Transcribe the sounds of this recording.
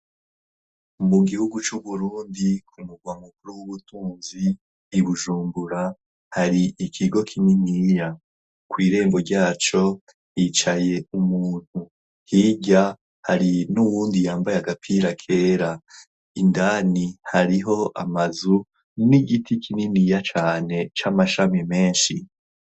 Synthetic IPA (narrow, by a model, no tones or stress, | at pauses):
muɡihuɡut͡ʃuβuɾuːndikʰumuɡwamuk̚uɾuwuβutuːnziː | βuʒuːmbuɾa | haɾiikʰiɡo̞kʰinimiːja | kwiːɾe̞ːmbo̞ɾɟaːt͡ʃo̞ | jit͡ʃaje̞umuːn̥hu | hiːɟa | haɾinuwuːndijaːmbajaɡapʰiɾakʰe̞ːɾa | indaːnihaɾiɦo̞ʔa̰mazu | niɡitʰikʰininijat͡ʃaːne̞t͡ʃamaʃamime̞ːnʃi